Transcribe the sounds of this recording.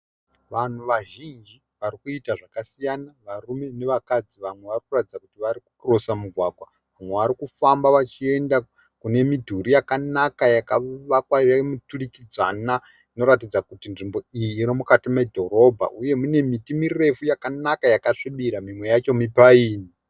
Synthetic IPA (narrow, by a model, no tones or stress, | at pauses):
ʋan̤uʋaʒind͡ʒi | ʋarikuitaʐakasijanaʋarume̞ne̞ʋakad͡ziʋamwe̞ʋarikuratid͡zakutiʋaɾiku̥krosamuɡʱwaːɡʱwa | ʋamwe̞ʋaɾikufambaʋat͡ʃie̞nda | kune̞midʱuɾijakanakajakaʋakwaamuturikid͡za̰na | ino̞ɾatid͡zakutinʐimbo̞ijiːɾomukatime̞dʱo̞ɾo̞bʱa̰ʔuje̞mune̞mitimire̞fujakanakajakaʂiɓiɾamimwe̞jat͡ʃo̞mipaiːni